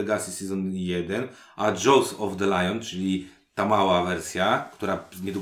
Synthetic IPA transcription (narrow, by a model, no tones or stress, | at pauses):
ɛɡasʲisɛzɔnjɛd̪ɛn | ʔaʐɔwsɔvd̪əlajɔnt͡ʂɘlʲi | t̪amawavɛɾsʲjakt̪uɾaɲɛd̪u